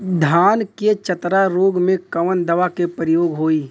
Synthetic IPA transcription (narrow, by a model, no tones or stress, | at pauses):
d̪ʱaːnket͡ʃət̪ɾaɾoːɡmẽkɐʋənd̪ɐʋakepɾɪjoːɡɦoːiː